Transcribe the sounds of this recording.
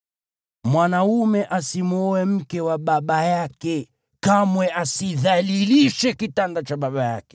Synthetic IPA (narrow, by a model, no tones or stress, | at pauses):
mwanaumɛʔasimuɔɛm̩kɛwaɓaɓajakɛ | kamwɛʔasiðaliliʃɛkitandat͡ʃaɓaɓaja̰kɛ̥